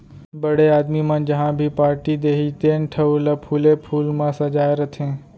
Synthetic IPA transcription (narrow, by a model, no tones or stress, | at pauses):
bəɽeaːd̪mimãːd͡ʒɐɦãbʱipaːɾʈid̪eːɦit̪eːnʈʰəʋlɐpʰuːlepʰuːlmãsɐd͡ʒaːeɾɐt̪ʰẽː